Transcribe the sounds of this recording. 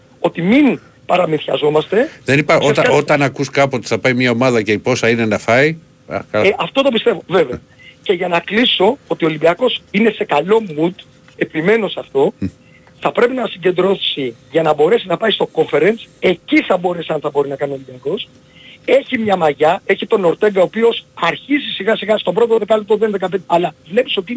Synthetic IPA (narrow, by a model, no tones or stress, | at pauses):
o̞t̪imin | pɐɾɐminθçɐzo̞mɐst̪e̞ðenipɐosɐot̪ɐnɐkuskɐpuot̪i̥θɐpɐjmɲɐo̞mɐðɐceipo̞sɐine̞nɐfɐj̰ | kɐlɐft̪o̞t̪o̞pist̪e̞vo̞ve̞veɐ | ce̞ʝɐnɐkliso̞ot̪io̞limbiɐko̞sine̞se̞kɐlo̞mut̪ | e̞pime̞no̞sɐft̪o̞ | θɐpɾe̞pinɐsiɲɟe̞nd̪ɾoθsiʝɐnɐbo̞ɾe̞sinɐpɐist̪o̞koɱfe̞ɾense̞ciθɐbo̞ɾesiɐnθɐbo̞ɾinɐkɐnio̞libiɐko̞s | e̞çimɲɐmɐʝɐe̞çit̪o̞no̞ɾt̪e̞ŋɡɐo̞pio̞sɐɾçizisiɣɐsiɣɐst̪o̞pɾo̞t̪oðekɐlep̚t̪oðenðekɐpend̪eɐlɐvle̞pi̥so̞t̪in